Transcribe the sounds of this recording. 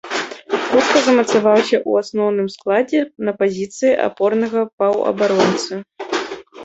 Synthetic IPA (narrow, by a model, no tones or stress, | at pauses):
xut̪kɐzɐmɐt̪savawsʲɐʔuasnɔwnɨmsklˠad͡zʲɛnɐpazʲit̪sɨjiʔa̰pɔrnɐɣɐpɐwɐ̰baɾɔnt̪sɨ